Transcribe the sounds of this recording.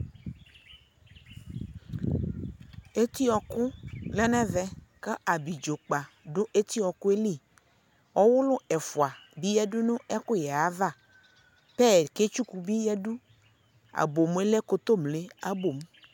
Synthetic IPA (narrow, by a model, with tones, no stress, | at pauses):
e˦t̪i˦ɔ˨kʊ˦lɛ˦nɛ˦vɛ˦ka˦a˨bi˨d͡ʒo˨k͡pa˨ɖʊ˦ʔe˦t̪i˦ɔ˨kʊ˦e˦li˦˨ | ɔ˦wʊ˦lʊ˦ɛ˨fʊ˨a˨bi˦jɛ˦dʊ˦nʊ̃˦ɛ˦kʊ˦jɛ˨a˦va˦˨ | pɛ˦˨ke˦t͡ʃu˦ku˨bi˦jɛ˦ɖu˦ | a̰˨bo˨m˦e˦le˦ko˦t̪o˦mle˦a˦bo˨m